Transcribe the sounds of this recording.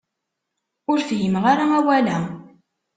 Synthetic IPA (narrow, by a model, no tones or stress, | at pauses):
ʊɾfjəmʁaɾaæwælæ